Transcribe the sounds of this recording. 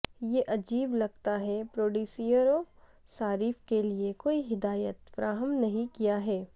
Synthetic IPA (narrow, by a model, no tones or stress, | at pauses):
jeʔɐd͡ʒiːblɐɡt̪aɦɛpɾoːɖuːsijəɾo | saːɾiːfkeliekoːiɦɪd̪aːjət̪fɐɾʔaːɦəmnɐɦĩkijaɦɛː